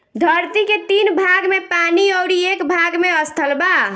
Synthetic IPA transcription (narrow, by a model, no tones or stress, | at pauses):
d̪ʱəɾt̪iket̪inbʱaɡmepaniɔwɾiekbʱaɡmeəst̪ʰəlba